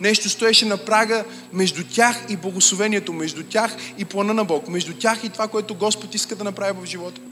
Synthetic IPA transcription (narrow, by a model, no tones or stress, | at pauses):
nɛʃt̪ost̪oɛʃɛnɐpɾaɡə | mɛʒd̪ut̪ʲaxiblˠɐɡoslˠovɛniɛt̪omɛʒd̪utʲaxiplˠɐnənɐbɔkmɛʒd̪utʲaxit̪ovakoɛt̪oɡɔspot̪iskəd̪ɐnɐpɾavivɐvʒivɔt̪ə̥